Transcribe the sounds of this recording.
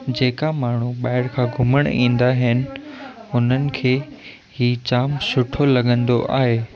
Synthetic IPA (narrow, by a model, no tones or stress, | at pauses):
d͡ʑeːkamaːɳ̤uɓaːɪɽkʰãːɡʱʊməɽ̃ḭ̃ːnd̪aɦɪnɪ̆ʊn̤ənɪ̆kʰeː | hiːt͡ɕaːmsʊʈʰolɐɠə̃nd̪oʔaːɦeː